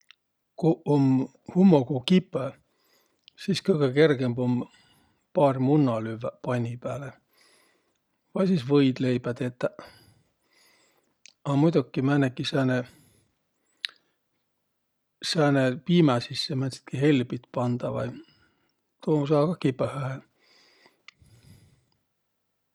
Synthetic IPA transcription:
koom | humːokokipːˑæ | siːskɤjɡ̥eke̞rɡ̥emb̥om | pɑːrmunːɑlyvːæpɑnʲipæːle | vɑjsiːsvɤjd̪̥le̞jb̥æd̪et̪ːæ | ɑmujt̪ukːimænːekːisæːne | sæːnepiːmæsisːemænsi̥t̪kihelbit̪pɑnd̪̥ɑʋɑ̰j | t̪uomusɑːkɑkːipːæhæhel

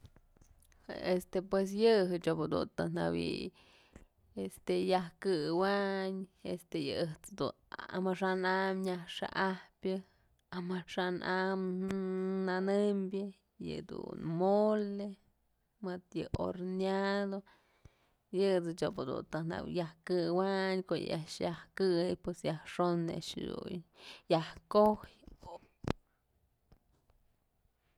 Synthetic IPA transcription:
est̪epwes̬jɨɦɨt͡ʃopɨd̪ṵnt̪ɨna̰wḭj | est̪ejahkɨwaɲest̪ejɨ̰ɨht͡sd̪ṵ | a̰maʂanamɲahʂa̰ʔahpʲjɨ | amaʂanʔam | nanɨmbʲɨ | jɨ̰d̪ṵnmole | mɨt̪jɨʔo̰ɾnad̪o | jɨt͡sɨt͡ʃopod̪ṵnt̪ɨna̰wjahkɨwaɲkoʔj̰ʔaʔʂjahkɨjpwesjahʂonḛʔʂd̪ṵjahkohjo

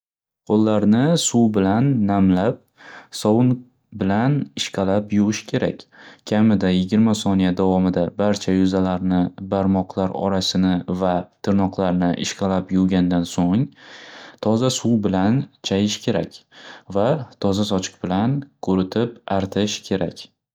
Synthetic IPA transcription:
qʰolˠːaɾnɪsuwbɪlanːamlap̚ | sɒwʊn | bɪlanɪʃqʰɑlapjʊʁɨʃkʲʰe̞ɾa̰kʲkʲʰamɪd̪ajɪɡʲɪɾmasɒnijad̪avɒmɪd̪abaɾt͡ʃʰajʊzalaɾnɪbaɾmɒqʰlˠaɾɒ̰ɾasɪnɪvat̪ʰɪɾnɒqlˠaɾnɪʔɪ̰ʃqʰɑlapjʊɡʲand̪ansoŋ | t̪ʰɒzasuwbɪlant͡ʃʰajɪʃkʲʰe̞ɾa̰kʲvat̪ʰɒzasɒt͡ʃʰɨ̥qbɪlankʰɵɾɪt̪ʰɪpaɾt̪ʰɪʃkʲʰe̞ɾakʲ

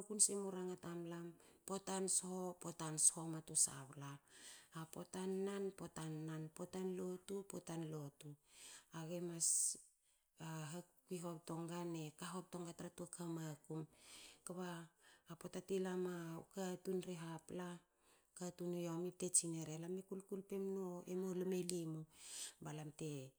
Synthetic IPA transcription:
kunsemuɾaŋatamlampo̞tanshopotanshomatusa̰βlaː | potanːanpo̞tanːanpo̞tanlo̞tupotanlo̞tuaɡemas | aɦakiɦo̞p̚to̞ŋɡane̞kaɦop̚to̞ŋɡatɾatuakʰamakumkaβaːpotatilamaṵkatunɾeɦapla | katunujomip̚te̞t͡ʃineɾelamekulkulpe̞mnoḛmolomelimubalamte̞

